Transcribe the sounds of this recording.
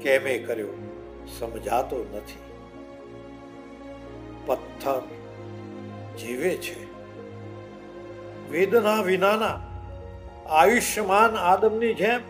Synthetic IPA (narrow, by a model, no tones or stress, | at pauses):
kɛmekəɾjõ | səmd͡ʒʱat̪onət̪ʰi | pət̪ʰːəɾ | d͡ʒiʋet͡ʃʰe | ʋid̪naʋinaːna | aʋiʃjəmaːnaːd̪əmnid͡ʒɛm